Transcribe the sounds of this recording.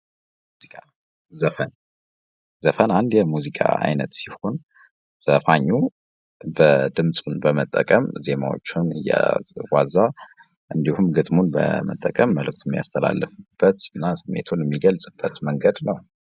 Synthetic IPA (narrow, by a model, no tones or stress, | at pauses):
ikʼa | zəfən | zəfənand̪jɛmuzikʼa̰a̰jnət̪si̥ho̞n | z̥əfaɲːu | bəd̪ɨmsʼunbəmət̪ʼːəkʼəmze̞ma̰wo̞̰t͡ʃːɪnɨ̰ja̰waza | ʔɨnd̪ihumɡɨt̪ʼmunbə̰mə̰t̪ʼːəkʼəmːəlɨk̚t̪ʰuɛmːija̰st̪ʰəla̰lːɨfb̥ːət̪ɨnːasɨmːḛt̪ʰonjɛmːiɡəlsʼɨb̥ːət̪məŋɡəd̪nəw